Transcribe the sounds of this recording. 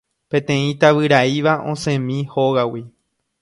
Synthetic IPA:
pẽ̞t̪ẽ̞ĩt̪aʋɨɾaiʋaʔõ̞sẽmĩhoɣawi

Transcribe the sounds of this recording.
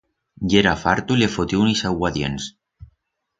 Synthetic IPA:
jeɾafaɾt̪ulefot̪junisawwaðjens

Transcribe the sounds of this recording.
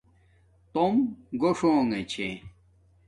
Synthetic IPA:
t̪omɡoʂoːŋet͡ɕʰe

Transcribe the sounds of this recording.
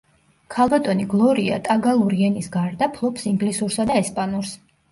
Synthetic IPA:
kʰalˠbat̪ʼɔniɡlˠɔɾia̰t̪ʼaɡalˠuɾiɛnisɡaɾd̪apʰlˠɔpsiŋɡlisuɾsad̪aɛspʼanuɾs

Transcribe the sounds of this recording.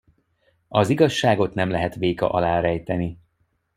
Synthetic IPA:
ɒziɡɒʃːaːɡo̞t̪nɛmlɛɦɛt̪ʋeːkɒ̰ʔɒlaːɾɛjt̪ɛni

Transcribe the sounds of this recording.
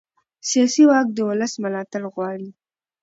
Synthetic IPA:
sijɑsiwɑk̚d̪əwʊləsməlɑt̪alɣwɑɽi

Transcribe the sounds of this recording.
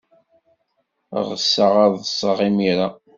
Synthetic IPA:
ʁəsːəʁɑðˤəsˤːəʁimiɾa

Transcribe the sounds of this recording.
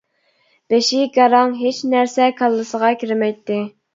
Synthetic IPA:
b̥eʃiɡɑɾɑŋɦet͡ʃnæɾsɛkʰɑlˠːɨsəʁɑkʲʰiɾmɛjt̪ːɪ

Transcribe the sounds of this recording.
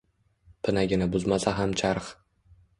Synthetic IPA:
pʰɪnaɡʲɪnɪbʊzmasaɦamt͡ʃʰaɾχ

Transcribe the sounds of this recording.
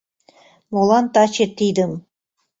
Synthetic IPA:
molˠɑnt̪ɑt͡ɕeɾt̪ijd̪ɘ̆m

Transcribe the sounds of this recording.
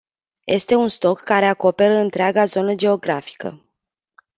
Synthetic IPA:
jʔe̞̰st̪e̞unst̪o̞kːaɾe̞ako̞pe̞ɾəɨnt̪ɾeaɡazo̞nəd͡ʒe̞o̞ɡɾafi̥kə̰

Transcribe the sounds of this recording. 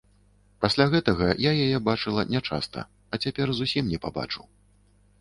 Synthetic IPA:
pasʲlʲaɣɛt̪ɐɣɐjajajɛbat͡ʂɨlˠɐ̰nʲat͡ʂa̰st̪ɐ̰ | ɐt͡sʲapʲɛrzusʲimnʲɛpa̰ba̰t͡ʂu

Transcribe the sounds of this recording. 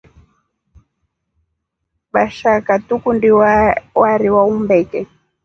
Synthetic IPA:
ɓaʃakatukundiwaɾiwaumbɛkɛ

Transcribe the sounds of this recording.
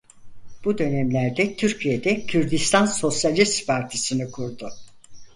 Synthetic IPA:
b̥ud̪ø̞nɛmlʲæɾd̪ɛt̪ʰyɾcʰijed̪ɛcʰyɾd̪ist̪ʰanso̞sjalʲist̪pʰaɾt̪ʰisɯnɯkʰuɾd̪ʊ

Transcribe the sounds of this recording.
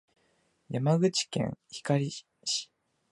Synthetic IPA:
jamaɡɯ̟t͡ɕi̥kḛ̃ɰ̃çi̥kaɾʲi | ɕi̥

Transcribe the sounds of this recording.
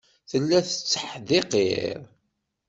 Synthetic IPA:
θəlːæθə̥t͡sːə̥ħðeqḛɾˤ

